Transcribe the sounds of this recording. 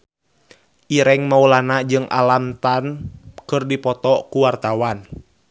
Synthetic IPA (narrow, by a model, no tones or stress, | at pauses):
ʔiɾɛŋmaulanad͡ʒɨŋʔa̰lamt̪ankɨrdipɔt̪ɔkuwart̪awan